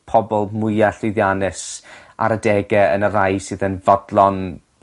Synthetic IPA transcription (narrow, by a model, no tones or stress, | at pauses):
pʰɔbɔlˠmʊjaɬʊjðjanɨsʔa̰ɾədɛɡɛə̰nərajsɨːðənvɔdlˠɔn